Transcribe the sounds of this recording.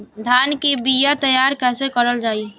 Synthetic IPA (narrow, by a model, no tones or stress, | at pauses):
d̪ʱankibijat̪əjaɾkɛɦsekəɾəld͡ʒaːi